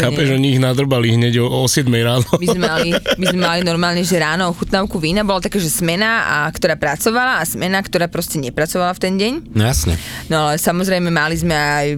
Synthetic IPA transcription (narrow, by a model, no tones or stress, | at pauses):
xaːpɛʒɔɲiːɣnad̪r̩baliɦɲɛɟɔɔsjɛd̪mɛjɾaːnɔmizmɛmalimizmɛmalinɔɾmaːlɲɛʒɛɾaːnɔɔxut̪naʊkuʋiːnabɔlat̪akaːʒɛsmɛnaa̰kt̪ɔɾaːpɾat͡sɔʋalaːsmɛnakt̪ɔɾaːpɾɔscɛɲɛpɾat͡sɔʋalaft̪ɛnɟɛɲjasɲɛ̰nɔalɛsamɔzɾɛjmɛmalizmɛaj